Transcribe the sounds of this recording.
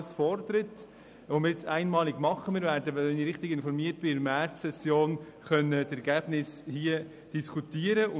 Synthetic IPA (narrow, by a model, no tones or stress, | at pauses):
əsfɔrd̪əɾət | ʋomɪːɾjet͡sæɪnmɑːlɪɡmɑχːəmɪːɾvæːɾdəʋɛnɪɾɪχtɪɡɪnfɔɾmiət̚b̥ɪɪmɛtsɛsjoːn | χœnətɛɾɡæːb̥nɪshiə | d̥iskʰutiːəɾəʔʊ